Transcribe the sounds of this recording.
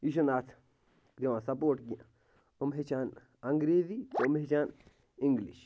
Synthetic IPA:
iʃunaːt̪ʰ | kɾiʋãːsɐpoːʈɡia | ɨmɦet͡ʃaːn | ɐŋɡɾeːzit̪omɦet͡ʃaːn | iŋɡlḭʃ

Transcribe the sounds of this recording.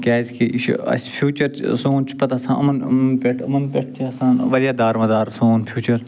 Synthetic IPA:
kʲaːzkʰiʔiʃɐ̰spʰjuːt͡ʃɐɾt͡ʃsoːnt͡ʃʰpɐt̪asãːɐ̰mnmpʲeʈʰɐmɐnpʲeʈ̚ʰt͡ʃ̪ʰiɐsaːnʋɐɾijaːd̪aːɾmɐd̪aːɾsoːnpʰjuːt͡ʃɐɾ

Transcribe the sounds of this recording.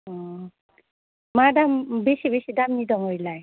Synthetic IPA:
ɔ | madambisibisidamnidɔmɔjlaj

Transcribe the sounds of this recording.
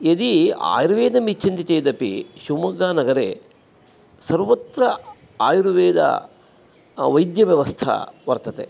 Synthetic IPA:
jed̪ia̰ːjɾuʋeːd̪ɐmit͡ʃʰɐnt̪it͡ʃɐjd̪ɐpḭʃumɐɡaːnɐɡɐɾḛ | sɐɾʋɐt̪ɾɐ | aːjɾuʋeːd̪ɐ̰ | ʋɐjd̪jɐʋjɐʋɐst̪ʰɐ̰ʋɐɾt̪ɐt̪ḛ

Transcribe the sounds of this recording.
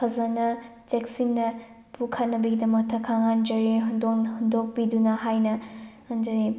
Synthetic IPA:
pʰɐzɐnɐ | teksinnɐ | pʰukʰɐt̚nɐbɐɡidɐmɐk̚tʰɐkʰːaŋand͡ʒɐɾiɦundonhundok̚pidunɐɦajnɐ | ɐnd͡ʒɐɾi

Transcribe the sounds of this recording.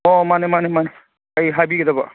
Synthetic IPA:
ɔmanemanemane | ajɦabiked̪aba̰

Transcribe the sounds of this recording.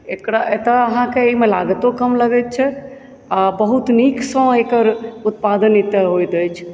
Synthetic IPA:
ekɾaʔet̪əəɦãkeimelaɡət̪okəmləɡɛt̪̚t͡ʃʰɛ | abəɦut̪niksə̃ekəɾut̪pad̪ənit̪əɦojt̪əjt͡ʃʰ

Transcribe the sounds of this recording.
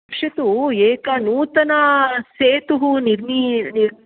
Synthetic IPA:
kʂɐt̪ueːkɐnuːt̪ɐnɐseːt̪uɦuniɾniniɾ

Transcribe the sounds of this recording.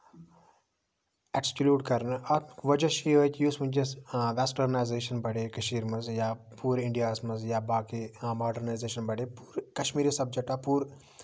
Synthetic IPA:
eksklʲuːʈkɐɾnɐʋɐd͡ʒɐʃiɦoːt̪ʲjuːsmɐɲd͡ʒɐsʋeːsʈɐɾnaːjzeːʃɐnbɐɽeːkɐʃiːɾmɐzjaːpuːɾɪɳɖijaːsmɐzjaːbaːkimaːɖɐɾnaːjzeːʃɐnbɐɽeːpuːɾkɐʃmiːɾiːsɐb̚d͡ʒek̚ʈɐpuːɾ

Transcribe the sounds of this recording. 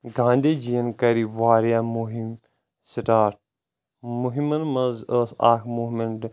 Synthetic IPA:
ɡãːnd̪eːd͡ʒijɐnkɐɾiʋaːɾijaːmuɦim | siʈaːɾʈ̚ | muɦimɐnmɐzəsa̰ːkmuːmeɳʈ

